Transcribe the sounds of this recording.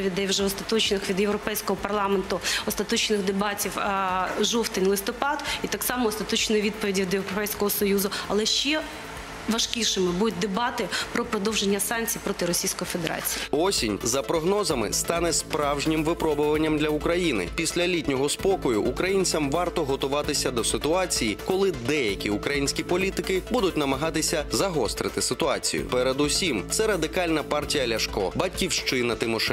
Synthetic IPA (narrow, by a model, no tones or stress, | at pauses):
ʋʲid̪ɛwʒɛɔst̪ɐt̪ɔt͡ʃnɪxʋʲid̪jewɾɔpɛjsʲkɔɦɔpɐrlˠɑment̪ʊɔst̪ɐt̪ɔt͡ʃnɪxd̪ebɑtʲiwʒɔwt̪ɪnʲlˠɪst̪ɔpɑd̪it̪ɑksɑmɔːst̪ɐt̪ɔt͡ʃnɪʋʲid̪̚pɔʋʲidʲiʋʲd̪jeɾɔpɛjsʲkɔɦɔsɔjuzʊɐlˠɛʃt͡ʃɛ | ʋɐʃkʲiʃɪmɪbud̪ʊt̚ʲd̪ebɑt̪ɪpɾɔpɾɔd̪ɔwʒenʲːɐsɑnkt͡sʲijpɾɔt̪ɪɾɔsʲijsʲkɔjifed̪eɾɑ̰t͡sʲijiɔsʲinʲzɐpɾɔɦnɔzɐmɪ̰st̪ɑnɛspɾɑwʒnʲɪmʋɪpɾɔbʊʋɐnʲːɐmd̪lʲɐukɾɐjinɪ̰pʲisʲlʲɐlʲitʲnʲɔɦɔspɔkɔjʊʔːkɾɐjinʲt͡sʲɐmʋɑrt̪ɔɦɔt̪ʊʋɑt̪ɪsʲɐd̪ɔsɪt̪ʊɑt͡sʲijikɔlˠɪd̪ɛjɐkʲiukɾɐjinʲsʲkʲipɔlʲit̪ɪkɪbud̪ʊt̚ʲnɐmɐɦɑt̪ɪsʲɐzɐɦɔst̪ɾɪt̪ɪsɪt̪ʊɑt͡sʲḭjʊ̰pɛɾed̪ʊsʲimt̪sɛɾɐd̪ɪkɑlʲnɐpɑrtʲijɐlʲɐʃkɔ̰bɐtʲkʲiwʃt͡ʃɪnɐt̪ɪmɔʃɛ